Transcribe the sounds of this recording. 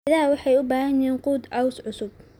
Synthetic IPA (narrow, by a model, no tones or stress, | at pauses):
ɪðaːwɑħɑjʊbaːɦɐjɛːnquːd̪ʔɐwsʕʊsʊb̚